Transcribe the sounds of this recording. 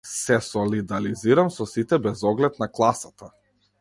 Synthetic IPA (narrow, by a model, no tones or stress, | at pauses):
sɛsɔlid̪aliziɾamsɔsit̪ɛbɛzɔɡlɛt̪naklˠasat̪a